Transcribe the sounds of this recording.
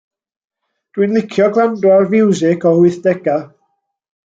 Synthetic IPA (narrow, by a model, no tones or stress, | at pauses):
d̥wɨnlˠɪkʰjɔɡwandwarvɪwzɪkʰɔhʊɨθd̥ɛɡa